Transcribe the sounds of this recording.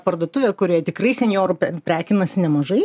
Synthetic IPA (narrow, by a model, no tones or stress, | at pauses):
pɐrd̪oːt̪ʊʋʲeːkʊɾʲiːjɛt̪ʲɪkɾɐɪsʲɛnʲjoːɾʊpʲɾʲæːkʲɪnɐsʲɪnʲɛmɐʒɐɪ